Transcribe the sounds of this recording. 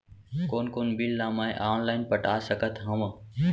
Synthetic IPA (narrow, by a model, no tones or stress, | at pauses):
koːnkoːnbilːaːmaːḛʔaːnlaːɪnpəʈaːsəkət̪ʰɦəm